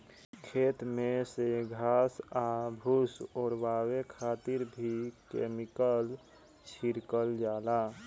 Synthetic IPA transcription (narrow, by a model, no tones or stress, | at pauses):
kʰeːt̪mẽseɡʱaːsabʱusɔːɾwaːwekʰaːt̪ɪɾbʱikeːmɪkəl | t͡ʃʰiɾkəld͡ʒaːlaː